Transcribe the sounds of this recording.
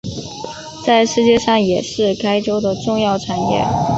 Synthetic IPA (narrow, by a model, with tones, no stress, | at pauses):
t͡sa˥˧ɪʂɻ̩˥˧t͡ɕjɛ˥˧ʂɑ˥˩ŋjɛ˨˩ʂɻ̩˥˩kʰa˥ɪʈ͡ʂo˥ʊd̪ə˨ʈ͡ʂʊ˥˧ŋjɑ˥˩ʊʈ͡ʂʰa˨˩njɛ̰˥˩